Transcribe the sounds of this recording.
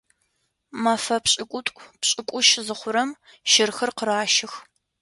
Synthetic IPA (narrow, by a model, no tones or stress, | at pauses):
mɐfɐpɕʼɪkʷʼʊtʷʼpɕʼɪkʷʼʊʃzɨχʷʊɾɐm | ʃɪrxɐrqəɾaːʃɪx